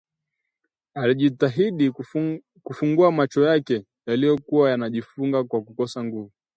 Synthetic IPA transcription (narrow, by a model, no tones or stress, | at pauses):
aliʄitaɦiɗi | kufuŋɡuamat͡ʃɔjakɛ | jalijɔkuwajanaʄifuŋɡakwakukɔsaŋɡuvu